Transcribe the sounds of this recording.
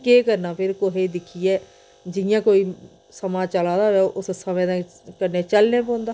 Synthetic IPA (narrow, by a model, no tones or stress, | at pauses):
keːkəɾnaːpʰɪɾkoɦeːd̪ɪkʰiːɛː | d͡ʒɪjãːkoːiː | səmãːt͡ʃəlãːd̪aːʋɛːoʔʊsəsamẽːd̪ãː | kəɾneːt͡ʃəlnẽːpõːnd̪aː